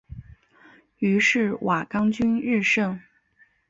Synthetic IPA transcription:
y˧˥ʂɻ̩˥˩wʔa˨˩kɑ˥ŋt͡ɕy˥nɻɻ̩˥˧ʂɤ˥˩ŋ

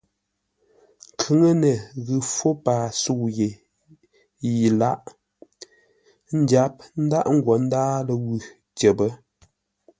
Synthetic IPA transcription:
ŋ̩˨kʰʉ˨˦ŋə˦nə˨ɣɨ˨fo˦paː˨su˦˨ɣe˨ | ji˨la˦ʔ | n̩˦dja˨˦p̚n̩˦da˦ʔŋ̩˦ɡwɔ˨˦n̩˦daː˦lə˨wʉ˨ | t͡ʃə˨bə˦

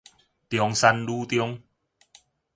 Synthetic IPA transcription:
t̪jɔ˧ŋsa˧nlu˦t̪jɔ˧ŋ

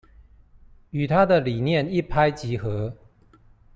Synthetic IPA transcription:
y˨˩t̪ʰa˦d̪ə˨li˨˩njɛ˥˨ni˥˨pʰa˦ɪt͡ɕi˨˥xɤ˨˦

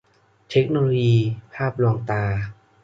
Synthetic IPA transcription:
t̪ʰe˦˥k̚noː˧loː˧jiː˧pʰaː˥˩p̚lɔ˧ŋt̪aː˧

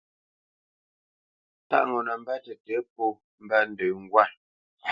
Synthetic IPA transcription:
ta̰˦ʔŋɔ˨na˨m̩˦ba˦tɛ˨tɛ˨˦p̚o˦˨ | m̩˦ba˦n̩˦də˨ŋ̩˦ɡwa˦˨

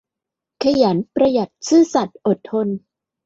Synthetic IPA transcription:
kʰa˧ja˩˦npɾa˧ja˨˩t̪̚sɯː˥˩sa˨˩t̪̚ʔo˨˩t̪ʰːo˧n

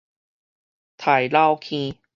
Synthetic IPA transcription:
t̪ʰa˨˩jla˧wkʰĩ˧

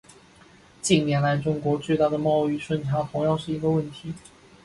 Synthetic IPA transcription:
t͡ɕi˥˩ŋnjɛ˧˥nla˧˥ɪʈ͡ʂʊ˥ŋkwɔ˧˥t͡swe˥˧ɪt̪a˥˩d̪ə˩mɑ˥˧ʊy˥˧ʂwə˥˩nʈ͡ʂʰa˥t̪ʰʊ˧˥ŋjɑ˥˧ŋʂɻ̩˥˩i˧˥ɡə˧wə˥˩nt̪ʰi˨˧˥

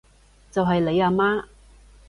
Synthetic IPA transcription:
t͡sɐ˨wɦɐ˨jle˨˧jaː˧maː˥

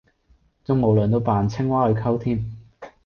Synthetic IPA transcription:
t͡sʊ˥ŋmo˨wlœː˨nt̪o˧wpaː˨nt͡sʰɪ˥ŋwaː˥hɵ˨˧ɥkʰɐ˥wt̪ʰiː˥n

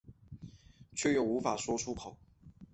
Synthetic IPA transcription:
t͡ɕʰɥɛ˥˩jo˨˩ʊu˧˥fa˨˩swɔ˥ʈ͡ʂʰu˥kʰo˨˩˦ʊ

